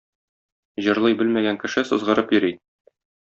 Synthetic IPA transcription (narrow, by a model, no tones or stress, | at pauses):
ʑɤ̆ɾlˠɤjbɘlmæɡæŋkɘ̆ʃɘsɤ̆zʁɤ̆ɾɤpjɵ̆ɾi